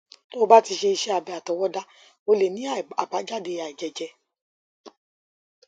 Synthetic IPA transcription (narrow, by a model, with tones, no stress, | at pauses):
to˦o˧ba˦ti˧ʃe˧i˧ʃɛ˦a˨bɛ˧˨a˨tɔ˨wɔ˦da˦ | o˧le˨nĩ˨˦a˦˨a˨ba˨˦d͡ʒa˦˨de˧˨a˨i˨d͡ʒɛ˨d͡ʒɛ˧